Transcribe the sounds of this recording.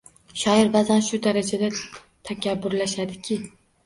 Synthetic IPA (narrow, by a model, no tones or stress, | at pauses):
ʃɒɪɾbazanʃʊd̪aɾad͡ʒad̪a | t̪ʰakʲʰabːʊɾlaʃad̪ɪkʲʰɪ